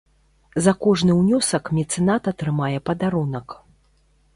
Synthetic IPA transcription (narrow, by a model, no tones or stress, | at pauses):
zɐkɔʐnɨwnʲɔsɐkmʲɛt̪sɨnat̪at̪ɾɨmajɛpɐd̪aɾunɐk